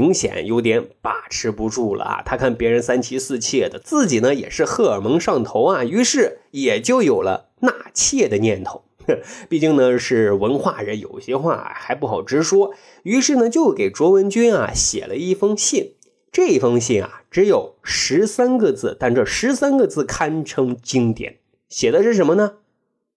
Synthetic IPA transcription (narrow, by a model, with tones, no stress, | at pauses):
i˧˥ŋɕjɛ̰˨˩˦njo˧˥ʊt̪̬jɛ˧˥npa̰˨˩ʈ͡ʂʰɻ̩˧˥pu˧˥ʈ͡ʂu˥˩lə̰˩a̰˩t̪ʰa˥kʰa˥˩npjɛ˧˥ɻə˧˥nsa˥nt͡ɕʰi˥sɹ̩˥˧t͡ɕʰjɛ˥˩d̪ə˩t͡sɹ̩˥˩t͡ɕi˨˩nə˦jɛ̰˨˩ʂɻ̩˥˧xɤ˥˩ə˞˨˩mɤ˧˥ŋʂɑ˥˩ŋt̪ʰo˧˥ʊɐ˨y˧˥ʂɻ̩˥˩jɛ˨˩t͡ɕjo˥˩ʊjo˨˩ʊlə̰˦ | na˥˩t͡ɕʰjɛ˥˩d̪ə˩njɛ˥˩nt̪ʰo˧˥˦ŋpi˥˩t͡ɕi˥˩ŋnə˨ʂɻ̩˥˩wə˧˥nxwa˥˩ɻə˧˥njo̰˨˩ʊɕjɛ˥xwa̰˥˩˨xa˧˥ɪpu˥˩xɑ˨˩ʊʈ͡ʂɻ̩˥ʂwɔ˥ | y˧˥ʂɻ̩˥˩nə˩t͡ɕjo˥˩ʊke˨˩ɪʈ͡ʂwɔ˧˥wə˧˥nt͡ɕy˥na̰˨˩ɕjɛ̰˨˩lʔə˦i˥˩fɤ˥ŋɕi˥˩n | ʈ͡ʂɤ˥˧i˥˩fɤ˥ŋɕi˥˩na̰˩ʈ͡ʂɻ̩˧˥jo˨˩ʊʂɻ̩˧˥sa˥nɡə˧t͡sɹ̩˥˩t̪a˥˧nʈ͡ʂɤ˥˩ʂɻ̩˧˥sa˥nɡə˧t͡sɹ̩˥˩kʰa˥nʈ͡ʂʰɤ˥ŋt͡ɕi˥ŋt̪jɛ̰˨˩˦n | ɕjɛ˨˩d̪ə˦ʂɻ̩˥˩ʂə˧˥nmə˧nə˧